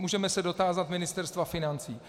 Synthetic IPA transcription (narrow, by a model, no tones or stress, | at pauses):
muːʒɛmɛsɛdo̞t̪aːzat̪mɪnɪst̪ɛɾst̪vafɪnant͡siː